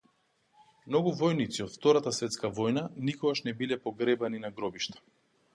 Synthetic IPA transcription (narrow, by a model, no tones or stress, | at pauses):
mnɔɡuvɔjnit̪siɔt̪ft̪ɔɾat̪asvɛt̪skavɔjnanikɔɡaʃnɛbilɛpɔɡɾɛbaninaɡɾɔbiʃt̪ḁ